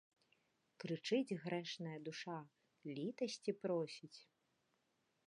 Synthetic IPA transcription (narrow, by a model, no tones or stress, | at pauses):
kɾɨt͡ʂɨd͡zʲɣɾɛʂnɐjɐd̪uʂa | lʲit̪ɐsʲt͡sʲipɾɔsʲit͡sʲ